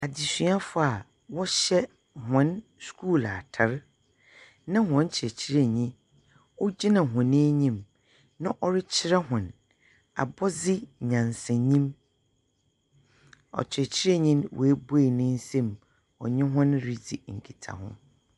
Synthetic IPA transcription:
a˨dɪ˨si˨˦a˦fʊ˦a˨ | wɔ˦ɕɛ˦ | hɔ̃˦nskʰuː˦˨la˨tʰa˨ɾ | nã˦hʊ̃˦n˦t͡ɕʰɪ˨ɛ˨t͡ɕʰɪ˦ɾe˦ɲĩ˦ | ɔ˦d͡ʑi˦nã˨ɦʊ̃˨nĩ˦ɲĩ˦m | nã˦ʔɔ˦ɾɪ˦t͡ɕʰɪ˦ɾa˦hʊ̃˨n | a̰˨bɔ˦d͡zɪ˦˨ɲã˨nsɛ̃˨ɲĩ˦m | ɔ̰˨t͡ɕʰɪ˨ɾɛ˨t͡ɕʰɪ˦ɾe˦ɲĩ˦nwʔɔ̰˨æ˦bo˦e˨nɪ̃˦n̩˦sɛ̃˦m | ɔ̰˨ɲɪ̃˦ɦʊ̃˦nɾi˦d͡zi˨ŋ̩˨kʰi˨tʰa̰˨hʊ̰̃˦

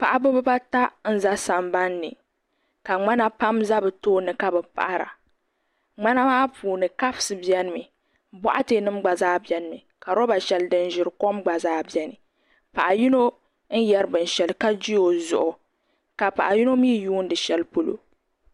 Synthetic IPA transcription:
pa˨ʔa˨bʊ˦bɨ˦ba˦ta˦n̩˦za˦sa˨mba˦nːɨ̰˨ | ka˨ŋ͡ma˦na˦pa˦mza˦bɨ˨toː˦nɨ˨ka˦bɨ˨pa̰˨ʔa˦ɾa̰˨ | ŋ͡ma˦na˦maː˦pʰuː˨nɨ˨ka˦fsɨ˨bjɛ˦nɨ˦mi˨ | bɔ̰˦ʔa˦te˦nɨ˦mɡ͡ba˨zaː˦bɛ˦nɨ˦˨mi˨ | ka˨ɾɔ˦ba˨ʃɛ˨ldɨ˦n˦ʒɪ˨ɾko˦mɡ͡ba˨zaː˦bɛ˦nɨ˨ | pa˨ʔa˨ji˦no˦ | n̩˦jɛ˦ɾɨ˦bɨ˨n˨ʃɛ˨lka˦d͡ʒi˦o˨zʊ̰˨ʔʊ˨ | ka˨pa̰˨ʔa˨ji˦no˦miː˦juː˦n̩˦dɨ˨ʃɛ˦lpo˦lo̰˨

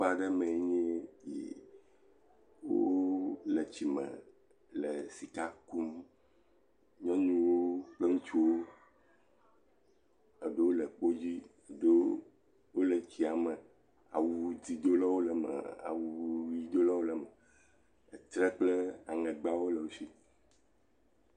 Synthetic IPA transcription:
k͡pa˨ɖɛ˦mɛ̃˨˦ɲɛ̃˦jḛ˨ | wo̰˦lɛ˨t͡ɕi˨mɛ̰̃˨ | lɛ˨si˨ka˦ku˦m | ɲɔ̃˦ɲũ˦wo˦k͡ple˦ŋũ˦t͡ʃu˦wo˦ | ɛ˨ɖe˦wo˦lɛ˨k͡po˦d͡ʑi˦˨ | ɖo˦ | wo˦lɛ˨t͡ɕi˦a˨mɛ˨ | a̰˨wu˦d͡zi˦d̪o˦lɔ˦wo˦lɛ˨mɛ̰˨a̰˨wu˨˦i˦d̪o˦lɔ˦wo˦lɛ˨mɛ˨ | t̪ɾɛ˦k͡ple˦a˨ŋɛ̃˨ɡ͡ba˦wo˦lɛ˨wo˦si˦

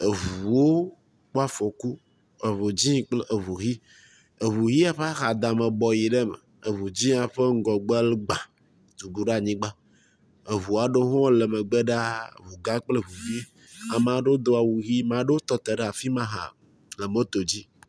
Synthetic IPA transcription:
e˨vu˨wo˦ | k͡po˦a˦fo˨ku˦ | e˨vo˨d͡ʑĩ˦k͡plʔe˨vu˨ɣi˦ | e˨βu˨ɣi˦a˦ɸa˦xa˨d̪ã˨me˨bɔ˨ji˨ɖe˦mɛ̰˨ | e˨βu˨d͡ʑĩ˦a˨ɸe˦ŋ̩˦ɡɔ˨ɡ͡bɛ˦lɡ͡bã˨ | t̪u˨ɡ͡bu˦ɖa˦˨ɲĩ˦ɡ͡ba˦ | e˨βu˨a˨ɖe˦ɦɔ̃˦le˨me˨ɡ͡be˦ɖa˦˨vu˨ɡã˦k͡ple˦vu˨vi˦ | a˨m˨ã˨ɖe˦wo˦d̪o˦a˨wu˨ɣi˦m˨ã˨ɖe˦wo˦t̪ɔ˦t̪e˨ɖe˦a˨fi˦mã˦ɦa̰˨ | le˨mo˦t̪o˨d͡ʑi˦

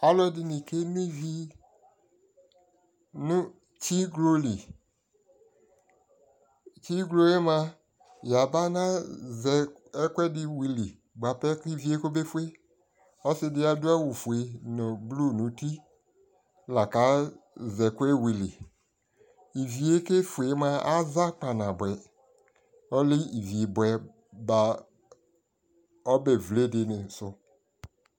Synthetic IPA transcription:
a˦lɔ˦di˧ni˨ke˦mĩ˦vi˦ | nu˦ | t͡ʃi˦ɡlo˦li˨ | t͡ʃi˦ɡlo˦e˦mã˧ | ja˨ba˦na˦zɛ˨ɛ˦kwɛ˦dɪ˧wi˧li˨ | ɡ͡ba˨pɛ˦ki˦vi˨˦e˦ko˦be˦fu˦e˦ | ɔ˦sɪ˧dɪ˧˦a˨dʊ˦a˦wu˨fu˨e˨nʊ˨blu˦˨nũ˨˦ti˦ | la˨ka˨˦zɛ˨ke˦wi˨li˨ | i˨vi˨e˦ke˦fu˨e˨˦m˦ã˨a˦za˦k͡pa˨nã˨bɛ˨ | ɔ˦lɪ˦i˨vi˨e˨bɛ˨ | ba˨ | ɔ˦be˨vle˦dɪ˨nɪ̃˨sʊ˨

